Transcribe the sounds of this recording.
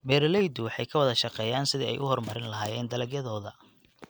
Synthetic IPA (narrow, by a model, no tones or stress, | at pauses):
bɛːɾlɛjd̪ʊwɑħɑjkʰɐwɑðɐʃɑqɛːjaːnsɪðḭɛ̰jʔʊhɔrmɐɾɪnlɐɦaːjɛːnd̪ɐlɐɡjɐðɔːðɐ